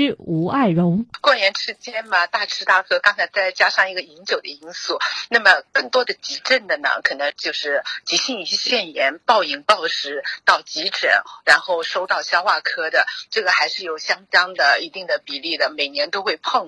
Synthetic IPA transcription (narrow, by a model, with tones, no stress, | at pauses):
u˧˥a˥˩ɪɻʊ˧˥ŋkwɔ˥˩njɛ˧˥nʈ͡ʂʰɻ̩˧˥t͡ɕjɛ˥nmɐ˨t̪a˥˩ʈ͡ʂʰɻ̩˥t̪a˥˩kʰɤ˥kɑ˥ŋt͡sʰa˧˥ɪt͡sa˥˩ɪt͡ɕja˥ʂɑ˥˩ŋi˧˥ɡə˧i˧˥nt͡ɕjo˨˩ʊd̪ə˦i˥nsu˥˩na˥˩mə˩kɤ˥˩ŋt̪wɔ˥d̪ə˨t͡ɕi˧˥ʈ͡ʂə˥˩nd̪ə˩nə̰˩kʰɤ˨˩nə˧˥ŋt͡ɕjo˥˧ʊʂɻ̩˥˩t͡ɕi˧˥ɕi˥˧ŋi˥˩ɕjɛ˥ɕjɛ˥˩njɛ˧˥npɑ˥˩ʊi˨˩ŋpɑ˥˩ʊʂɻ̩˧˥t̪ɑ˥˩ʊt͡ɕi˧˥ʈ͡ʂə̰˨˩˦ŋɻa˧˥nxo˥˩ʊʂo˥ʊt̪ɑ˥˩ʊɕjɑ˥ʊxwa˥˩kʰɤ˥d̪ə˨ʈ͡ʂɤ˥˩ɡə˩xa˧˥ɪʂɻ̩˥˩jo˨˩ʊɕjɑ˥ŋt̪ɑ˥ŋd̪ə˨i˧˥t̪i˥˩ŋd̪ə˩pi˨˩li˥˩d̪ə˩me˨˩ɪnjɛ˧˥nt̪o˥ʊxwe˥˧ɪpʰɤ˥˧ŋ